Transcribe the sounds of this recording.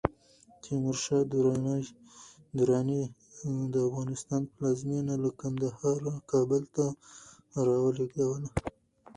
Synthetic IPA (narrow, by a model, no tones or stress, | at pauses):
t̪ʰimʊɾʃɑd̪uɾɑna | d̪uɾɑni | d̪əafɣɑnɪst̪ɑnplɑzmenalakand̪ahɑɾakɑbəlt̪a | ɾɑwəleɡawəla